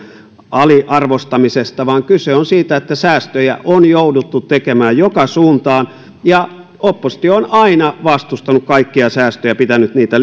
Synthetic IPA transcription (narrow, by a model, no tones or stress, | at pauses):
ɑliʔɑrʋost̪ɑmisest̪ɑʋɑːŋkyseonsiːt̪æet̪ːæsæːst̪øjæ̰ʔonjoudut̪ːut̪tekemæːjjokɑsuːnt̪ɑːn | jɑ | opːost̪ioonɑinɑʋɑst̪ust̪ɑnukkɑikːiɑsæːst̪øjæpit̪ænyt̪niːt̪æ